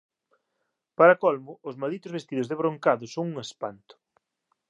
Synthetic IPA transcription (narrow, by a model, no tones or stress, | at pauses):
paɾakɔlmʊːzmald̪it̪ʊzβest̪iðʊzðeβɾoŋkaðʊsoŋuŋespa̰nt̪ʊ̥